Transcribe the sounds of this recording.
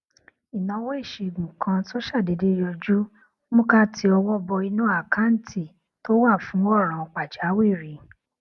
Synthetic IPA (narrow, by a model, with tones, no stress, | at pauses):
i˨nã˨˧˦wɔ˦e˦˨ʃe˨ɡũ˨kʰã˧to˦ʃa˦˨de˨de˦jɔ˧d͡ʒu˦ | mũ˦ka˦tʰi˧ɔ˧wɔ˦bɔ˧i˧nũ˦a˦˨ka˦n̩˦tʰi˦˨ | to˦wa˦˨fũ˨˦ɔ˦˨ɾ̃ã˨˧k͡pa˨d͡ʒa˨˦we˦˨ɾi˨˦